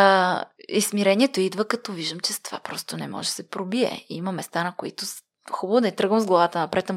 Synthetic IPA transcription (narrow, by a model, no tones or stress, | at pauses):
ismiɾɛniɛt̪oid̪vəkɐt̪ɔviʒd̪əmt͡ʃɛst̪ova̰pɾɔst̪ʊnɛ̰mɔ̰ʒɛsɛpɾobiɛ̰imɐmɛst̪anɐkoit̪ʊ | xubəvʊd̪ɐit̪ɾɤɡvəmzɡlˠɐvat̪ənɐpɾɛt̪ɐ